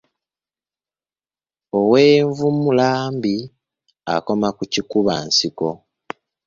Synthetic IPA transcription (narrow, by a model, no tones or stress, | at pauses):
oweːɱvumulaːmbi | a̰ko̞makucikuβa̰nsiko̞